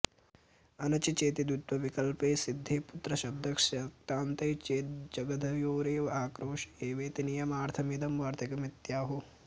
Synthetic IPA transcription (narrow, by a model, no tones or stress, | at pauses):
ɐnɐt͡ʃit͡ʃeːt̪id̪ut̪ʋɐʋikɐlpeːsid̪ʱːeːput̪ɾɐʃɐb̚d̪ʱɐkʂɐk̚t̪aːnt̪ɐjt͡ʃeːt̪̚d͡ʒɐɡɐd̪ʱɐʋjoːɾeːʋɐaːkɾoːʃeːʋeːt̪inijɐmaːɾt̪ʰɐmid̪ɐmʋaːɾt̪ɐkɐmit̪jaːɦu